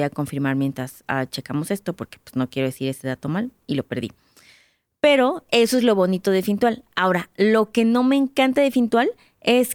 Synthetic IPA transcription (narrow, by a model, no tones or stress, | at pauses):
iako̞ɱfiɾmaɾmje̞nt̪ɾasat͡ʃe̞kamo̞se̞st̪o̞po̞ɾke̥pwez̥no̞kje̞ɾo̞ð̞esiɾe̞se̞ðat̪o̞malilo̞pe̞ɾðḭ | pe̞ɾo̞e̞soe̞zlo̞βo̞nit̪o̞ð̞efint̪walao̞ɾalo̞ke̞no̞me̞ːŋkant̪aðefint̪wal | e̞s